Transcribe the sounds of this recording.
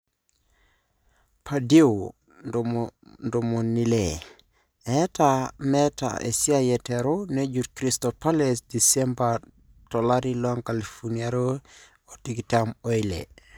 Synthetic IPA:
padio | ndomonile | etameta̰ḛsiajeteɾoned͡ʒut̚kɾistopalesdisemba | tolaɾilaŋkalifuniaɾo | otiɡitamojlḛ

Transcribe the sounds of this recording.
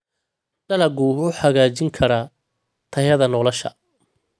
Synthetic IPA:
ɖɐlɐɡʊʊħɑɣaːt͡ʃɪŋkʰɐɾɐ | t̪ʰɐjɐðɐnɔːlɔʃɐ̰

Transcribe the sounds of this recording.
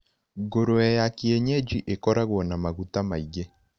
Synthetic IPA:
ɡoɾoɛjakieɲed͡ʒiʔekɔɾaɣwɔnamaɣutamaiɣe

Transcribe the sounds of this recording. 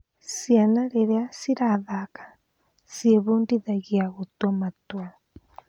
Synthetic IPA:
sianaɾeɾeasiɾaðakḁ | sjeβundiðaɣjaɣutwamatwa

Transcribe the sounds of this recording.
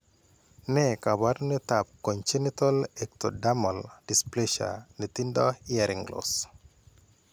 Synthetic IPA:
nɛkabaɾnit̪ap̚koɲt͡ʃinit̪ɔlek̚t̪odamɔldispleʃa̰nit̪indɔiaɾɪŋɡlo̰s

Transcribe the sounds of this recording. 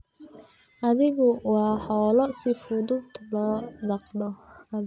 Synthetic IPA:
ʔɐðɪɣʊwɑːħɔːlɔsɪfʊðʊbt̪ʰlɔːd̪ɑqnɔhɐ

